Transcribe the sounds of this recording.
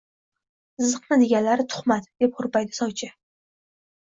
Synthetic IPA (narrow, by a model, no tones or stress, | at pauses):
ɨzɨqnɪd̪eɡʲanlaɾɪt̪ʰʊ̥χmat̪d̪̥e̞p̚hʊɾpajd̪ɪ̥sɒwt͡ʃʰɪ